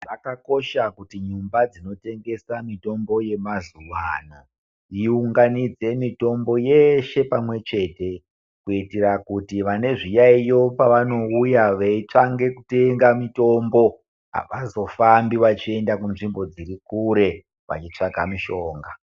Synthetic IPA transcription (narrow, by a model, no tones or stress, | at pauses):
ʋakako̞ʃakutiɲumbad͡zino̞te̞ŋɡe̞samito̞mbo̞je̞mazuʋana | iuŋɡanid͡ze̞mito̞mbo̞jeʃe̞pamwe̞t͡ʃe̞ːte̞ | kuitiɾakutiʋane̞ʐijaijo̞paʋano̞ujaʋeit͡ʂaŋɡe̞kute̞ŋɡamito̞mbo̞ | a̰ʋazo̞fambiʋat͡ʃie̞ndakunʐimbo̞d͡ziɾikuɾe̞ | ʋa̰t͡ʃit͡ʂaɡʱamiʃo̞ːŋɡa